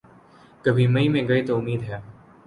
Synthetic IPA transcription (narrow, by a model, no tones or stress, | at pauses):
kɐbʱimɐĩmẽɡɐet̪oʊmːiːd̪ɦɛː